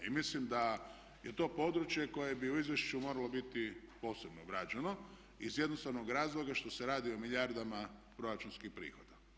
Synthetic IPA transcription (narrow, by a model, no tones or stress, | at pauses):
imislimd̪a | je̞t̪o̞ːpo̞d̪ɾut͡ʃjeko̞je̞biuizʋjeʃt͡ʃumo̞ɾalo̞bit̪ipo̞ːse̞bnoɡɾaːd͡ʒeno̞ | izje̞d̪nost̪aʋnoɡɾaːzlˠoɡaʃt̪o̞seɾaːd̪io̞miʎjaɾd̪amapɾoɾat͡ʃunskixpɾḭːxo̞d̪a